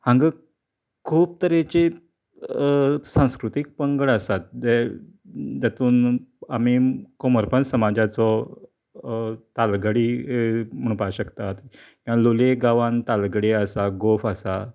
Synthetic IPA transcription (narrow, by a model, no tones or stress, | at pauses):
hãŋɡə | kʰuːp̚t̪əɾet͡ɕe | sãw̃skɾut̪ik̚pəŋɡəɭəsat̪̚de | d͡ʑat̪uːnamikoməɾpənsəmad͡ʑat͡sɔ | t̪alɡəɽiːm̤əɽ̃ũpaɕəkt̪at̪i | kiãloleɡaʋãnt̪alɡəɽeəsaɡofəsa̰